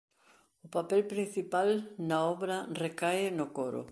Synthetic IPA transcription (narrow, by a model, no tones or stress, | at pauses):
ʊpapɛlpɾĩn̟θipalnaɔβɾɐrekajɪnʊkoɾʊ̰